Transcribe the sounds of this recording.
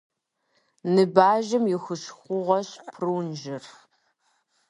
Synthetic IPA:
nɨbaːʒɐmjɪxɨɕxʷʊʁɐɕpʰruːnʒɪr

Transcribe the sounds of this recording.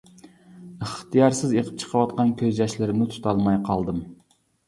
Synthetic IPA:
əχt̪ʰɨjɑɾsɪzeqʰə̥p̚t͡ʃʰə̥qʰəwɑt̪qɑnkʲʰøzd͡ʒɛʃlɪɾɪnɪt̪ʰu̥t̪ʰɑlˠmɑjqʰɑlˠd̪ɨm

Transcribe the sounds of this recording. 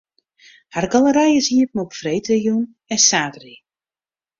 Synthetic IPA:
harɡalˠəɾajəsiəpmɔpfrejtʰəjun | ɛsaːtri

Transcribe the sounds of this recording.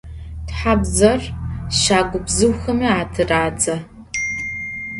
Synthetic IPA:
tħabzɐrʃaːɡʷʊbzɨwxɐmiːaːtʰɨraːd͡zɐ

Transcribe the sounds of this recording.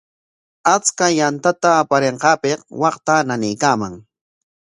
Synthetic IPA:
at͡skajant̪at̪aːpaɾeɴqɑːpeqwɑqt̪ananɪjkaːmaŋ

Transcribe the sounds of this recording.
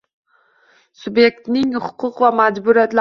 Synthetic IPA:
sʊbje̞k̚t̪nɪŋhʊqʰʊqvamad͡ʒbʊɾijat̪l

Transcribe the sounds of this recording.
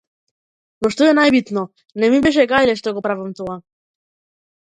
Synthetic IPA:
noʃt̪oɛnajbit̪no | nɛmibeʃ̬ɛɡajlɛʃt̪oɡopɾavamt̪oa

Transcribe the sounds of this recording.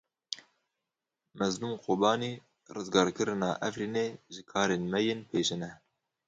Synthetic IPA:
mɛznumqʰoːbɑːniː | rɨzɡɑːɾkɨɾɨnɑ̰ːʔɛfɾiːneːʒɨkʰɑːɾeːnmɛjenpʰeːʃɨnɛ

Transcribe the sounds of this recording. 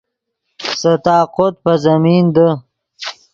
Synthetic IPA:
sət̪ɑːqot̪̚pəzɐmiːnd̪ə

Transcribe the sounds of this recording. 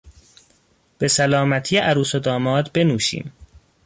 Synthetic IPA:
b̥e̞sælɒːmæt̪ʰijeʔæɾuːsod̪ɒːmɒːd̪be̞nuːʃḭːm

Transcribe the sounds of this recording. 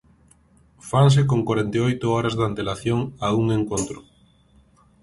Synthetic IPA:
fans̬ɪkoŋkwaɾent̪eojt̪oɔɾazðant̪elaθjoŋauŋeŋkont̪ɾʊ

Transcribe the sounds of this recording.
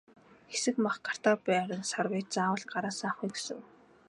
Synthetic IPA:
xesɘ̆kmaχɢḁr̥t̪aːpæːɾə̆nsarwiːt͡saːwə̆ɮɢaɾaːsaːχujɡesɘ̰̆ŋ

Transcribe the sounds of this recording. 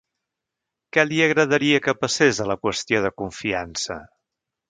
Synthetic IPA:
kɛliəɣɾəðəɾiəkəpəsezðələkwəst̪ijoðəkuɱfiansə̰

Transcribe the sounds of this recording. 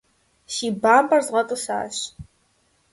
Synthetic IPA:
ʃiːbaːmbɐrzʁɐtʼɨɕa̰ːɕ

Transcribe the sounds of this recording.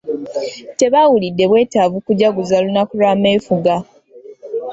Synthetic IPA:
te̞βawulidːe̞βwe̞ːtavukuɟaɡuzalunakulaːme̞ːfuɡa

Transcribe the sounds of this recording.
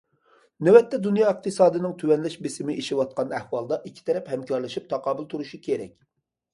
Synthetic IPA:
nɛwɛt̪ʰːɛd̪unjɑːɨq̚t̪ʰɨsɑːd̪ɨnɨŋt̪ʰywɛnlɛʃbesɪmɪʔeʃiwɑt̪̚qɑnæhwɑlˠd̪ɑʔikʲʰːi̥t̪ʰɛɾɛphɛmkʰɑɾlˠɨʃip̚t̪ʰɑqɑːbɨlˠt̪ʰuɾuʃikʲʰeɾɛ̰k̚ʲ

